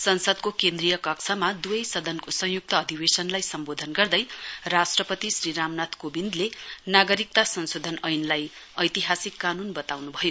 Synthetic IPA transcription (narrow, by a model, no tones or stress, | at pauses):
sʌnsʌd̪kokẽnd̪rijʌkʌkt͡sʰʌmad̪uʌjsʌd̪ʱʌnkosʌ̃ŋ̃juk̚t̪ʌːd̪ʱibesʌnlajsʌmbod̪ʱʌnɡʌrd̪ʌjrasʈrʌpʌt̪isriɾamnat̪ʰkobind̪lenaɡʌɾik̚t̪asʌnsod̪ʱʌnʌjnlajʌjt̪iɦasikːanunbʌt̪awnubʱʌjo